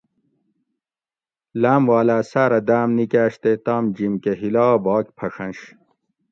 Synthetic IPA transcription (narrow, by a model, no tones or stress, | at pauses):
laːmwaːlaːsaːɾɐd̪aːmnikaːɕt̪et̪aːmd͡ʑimkeɦilaːbɑːkpʰɐʂɐ̃nɕ